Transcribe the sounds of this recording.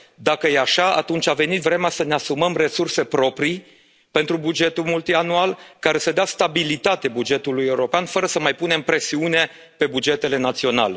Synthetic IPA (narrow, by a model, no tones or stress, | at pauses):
d̪akəjeaʃaa̰t̪unt͡ʃʲave̞nit̪vɾe̞measəne̞asuməmre̞surse̞pɾo̞pɾi | pe̞nt̪ɾubud͡ʒe̞t̪ulmult̪ianualkaɾe̞səd̪east̪abilit̪at̪ebud͡ʒe̞t̪uluje̞uɾo̞peanfəɾəsəmajpune̞mpɾe̞siune̞ | pe̞bud͡ʒe̞t̪e̞le̞nat̪sio̞na̰le